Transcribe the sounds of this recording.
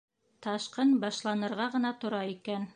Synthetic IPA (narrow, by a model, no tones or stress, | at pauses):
t̪ɑʃqɤnbɑʃlˠɑnɤ̆ɾʁɑʁɤ̆nɑt̪ŏɾɑikæn